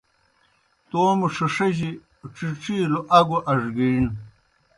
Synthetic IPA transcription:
t̪oːmuʂɐʂɐʑi | ʈ͡ʂiʈ͡ʂiːloʔɐɡuʔɐʐɡin

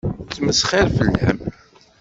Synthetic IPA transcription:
t͡sːməsχæɾfəlːħə̰m

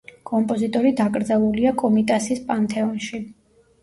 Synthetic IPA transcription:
kʼɔmpʼɔzit̪ʼɔɾid̪aɡʼɾd̪zalˠuliakʼɔmit̪ʼasispʼant̪ʰɛɔnʃi

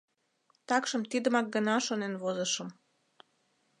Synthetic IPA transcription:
t̪ɑkʃəmt̪id̪əmɑk̚ɡənɑʃonenβozəʃəm

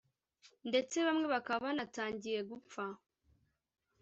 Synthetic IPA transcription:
nde̞t͡se̞βamŋe̞βakaβanataːɲɟije̞ɡufa

